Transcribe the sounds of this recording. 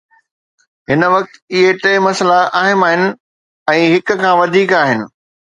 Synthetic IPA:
ɦɪnəʋɐk̚t̪ɪɦeʈẽːmɐsəlaʔaːɦɪmaːɦɪnɪ̆ | ɛ̃ːɦɪk̆kʰãːʋɐd̪ʱiːkaːɦɪnɪ̆

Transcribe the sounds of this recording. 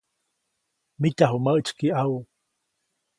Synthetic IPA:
mic̪aɦuməʔt͡ʃkiau

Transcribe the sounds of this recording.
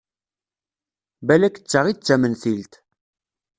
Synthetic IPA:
bælækə̥t͡sːəʁit͡sːæmənθilt̪

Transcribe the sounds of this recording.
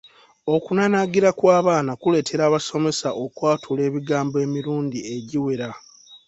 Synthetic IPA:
o̞kunanaɡiɾakwaːβaːnakule̞ːtʰe̞ɾaːβaso̞me̞saʔo̞kwaːtʰule̞ːβiɡaːmboe̞ːmiɾuːndie̞ɟiwe̞ɾa

